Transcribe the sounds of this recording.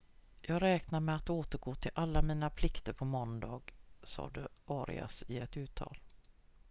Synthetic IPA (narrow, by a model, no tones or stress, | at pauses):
jɑːɡɾɛːknaɾmɛat̪oːt̪əɾɡoːt̪ʰɪlʔalːamiːnapʰlɪkt̪əɾpʰɔmɔnd̪ɑːɡsɑ̰ːd̪əʔɑːɾɪ̰a̰sɪɛt̪ʉ̟ːt̪ʰːɑ̰ːl